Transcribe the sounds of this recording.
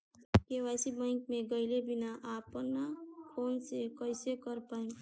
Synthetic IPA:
kewasibãɪŋkmeɡəɪlebinaʔapnakʰonsekəɪsekəɾpaĩm

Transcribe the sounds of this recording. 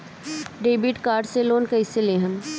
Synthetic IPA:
ɖeːbiʈkaːɾɖseloːnkɐɪselẽːɦəm

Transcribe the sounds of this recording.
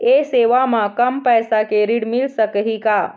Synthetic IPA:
eseʋamãkəmpəjsakeɾiɽmilsəkɦika

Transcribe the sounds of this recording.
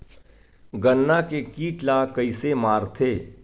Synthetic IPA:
ɡənːakekiːʈlakəisemaːɾt̪ʰeː

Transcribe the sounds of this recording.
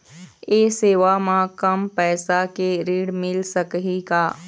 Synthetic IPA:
eːseːʋamãkəmpɛːsakeɾiːɽmɪlsəkɦikaː

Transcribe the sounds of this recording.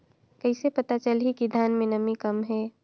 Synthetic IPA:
kəɪsepət̪at͡ʃəlɦikid̪ʱjaːnmẽnəmikəmɦɛː

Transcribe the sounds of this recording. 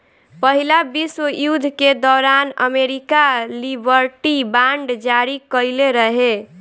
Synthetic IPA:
pəɦilabiswəjud̪ʱked̪ɔːɾanə̰meɾikalibəɾʈibaɳɖd͡ʒaɾikəjleɾəɦe

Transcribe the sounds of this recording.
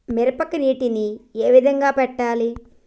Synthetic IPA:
miɾɐpɐkɐniːʈinieːʋid̪ʱɐŋɡaːpɛʈːaːli

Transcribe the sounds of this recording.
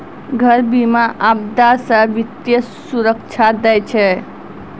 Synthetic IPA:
ɡʱəɾbimaʔab̚d̪asə̃ʋit̪jə | suɾəkt͡ʃʰad̪ɛjt͡ʃʰɛ

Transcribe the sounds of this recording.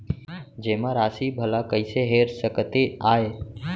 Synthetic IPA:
d͡ʒeːmãːɾaːsiːbʱəlaːkəɪseːɦeːɾsəkt̪eaːɦeː

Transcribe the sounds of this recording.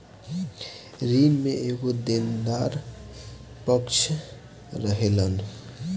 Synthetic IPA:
ɾinmeeɡod̪end̪aɾ | pɔkt͡ʃʰ | ɾəɦelan

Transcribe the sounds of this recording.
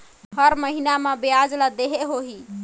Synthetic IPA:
ɦəɾməɦinamãbead͡ʒlad̪eɦeɦoɦi

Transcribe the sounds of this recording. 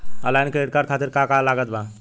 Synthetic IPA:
ə̰lajnkeeʈ̚kaɽkʰat̪iɾkãkalaɡət̪̚bã

